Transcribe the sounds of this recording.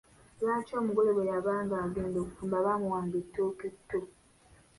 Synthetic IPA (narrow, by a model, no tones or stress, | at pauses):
βaːcoːmuɡoleβwejaβaːŋɡaɡeːndokufumbaβaːmuwaːmbitːoketːo